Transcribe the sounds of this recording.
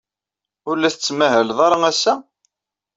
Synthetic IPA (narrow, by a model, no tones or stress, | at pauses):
ʊɾlæθət͡sːmæhəlðˤɑɾˤɑŋæsːæ